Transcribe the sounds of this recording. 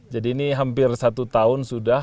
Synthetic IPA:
d͡ʒadiːniɦampɪrsat̪ut̪aʊnsuda

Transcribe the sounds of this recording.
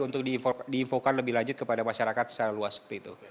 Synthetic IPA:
unt̪ʊk̚didiːɱfokanləbɪhlaɲd͡ʒʊt̪̚kəpadamaʃaɾakat̪̚saɾaluasə̥t̪it̪u

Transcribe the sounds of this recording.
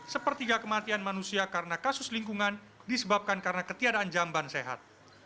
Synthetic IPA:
səpərt̪iɡakəmat̪ianmanusiakaɾənakasʊsliŋkuŋan | disəbap̚kankaɾənakət̪iadaːnd͡ʒambanseɦa̰t̪̚

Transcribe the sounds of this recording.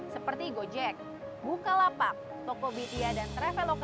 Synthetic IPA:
səpərt̪iɡod͡ʒɛk̚ | bukalapak̚ | t̪ɔkobit̪iadant̪ɾɛfɛlok

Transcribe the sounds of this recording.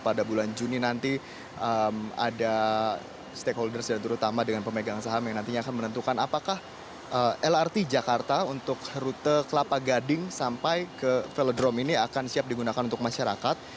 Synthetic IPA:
padabuland͡ʒuninant̪i | ʔəma̰da | st̪ekɦoldərsdant̪əɾut̪amadəŋanpəmeɡaŋsaɦamjaŋnant̪iɲaːkanmənənt̪ukanapakah | əɛlart̪id͡ʒakart̪aunt̪ʊkɾut̪əkəlapaɡadɪŋsampajkəfelodɾɔminiakansiap̚diɡunakanunt̪ʊk̚maʃaɾa̰kat̪̚

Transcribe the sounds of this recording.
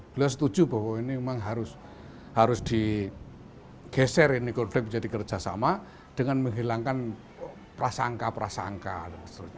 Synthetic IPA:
b̥əliɔs̬ə̥t̪ud̥ʒ̥ṳba̤wɔinimemaŋɦaɾʊs | haɾʊsd̪̥i̤ | ɡ̥ɛsɛɾinikɔnflɪk̚d͡ʒadikərd̥ʒ̥asa̰ma | d̥əŋanməŋɦilaŋkan | pɾasaŋkapɾasa̰ŋka̰

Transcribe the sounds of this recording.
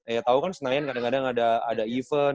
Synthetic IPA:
jat̪aukansənajankadaŋkadaŋada̰ːdaifə

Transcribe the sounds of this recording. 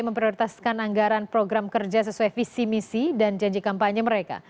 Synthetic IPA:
məmpɾioɾit̪askanaŋɡaɾanpɾoɡɾamkərd͡ʒas̬əsuajfisimisidand͡ʒaɲd͡ʒikampaɲəməɾeka̰

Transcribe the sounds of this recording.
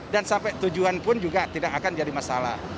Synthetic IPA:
dansampɛt̪ud͡ʒuanpʊnd͡ʒuɡat̪idakakand͡ʒadimasala̰h

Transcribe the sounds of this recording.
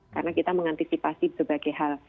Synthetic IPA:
ka̰rnakit̪aməŋant̪isipasibərbaɡajɦal

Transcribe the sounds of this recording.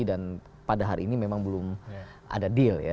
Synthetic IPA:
idan | padaɦaɾiːnimemaŋbəlʊm | ʔa̰dadilja̰

